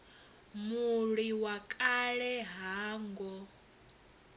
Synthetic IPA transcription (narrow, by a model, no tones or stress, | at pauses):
muɺiwakʼaɺɛɦaːŋɡɔ